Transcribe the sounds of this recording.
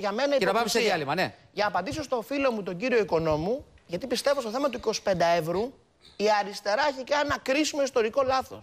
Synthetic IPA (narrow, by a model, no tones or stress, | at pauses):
ʝɐme̞nɐieɐpɐmiseðiɐlimɐneʝɐnɐːpɐnd̪isost̪o̞filo̞mut̪o̞ɲɟiɾio̞iko̞no̞mu | ʝɐt̪ipist̪e̞vo̞stoθe̞mɐt̪uiko̞si̥pend̪ɐevɾu | iɐɾist̪e̞ɾɐeçikɐnɐkɾisimo̞ist̪o̞ɾiko̞lɐθo̞̰s